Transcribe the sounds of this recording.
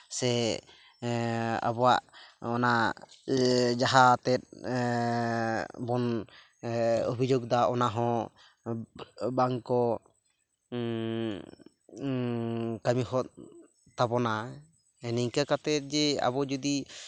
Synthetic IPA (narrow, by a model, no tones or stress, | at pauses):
sɛ | a̰bɔwaʔɔna | d͡ʒaɦat̪ɛt̪̚ | bɔn | obʱid͡ʒoɡ̚d̪aʔɔnaɦɔ̃ | baŋkɔ | kamihɔt̪̚ | t̪abɔna | ɛniŋkakat̪ɛt̪̚ˀd͡ʒɛa̰bɔd͡ʒud̪i